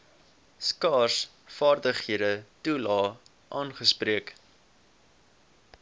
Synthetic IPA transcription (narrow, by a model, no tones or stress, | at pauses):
skɑːrs | fɑːrdəχhiədətulɑː | ʔɑːnχəspriək